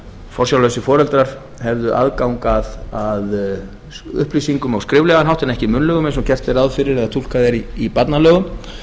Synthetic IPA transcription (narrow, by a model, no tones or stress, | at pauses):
fɔrsjawlœɥsɪfɔːɾɛlt̪ɾaɾ̥ | hɛvðʏʔa̰ðkawŋkaðað | ʏ̰hplisiŋkʏmawskɾɪːvlɛɣanɦawht̪ɪnɛhcɪmʏnlœːɣʏmɛjnsɔmcʰɛr̥t̪ɛɾawðfɪɾɪɾɛðɣat̪ʰul̥kaðɛɾiːpat̪nalœːɣʏm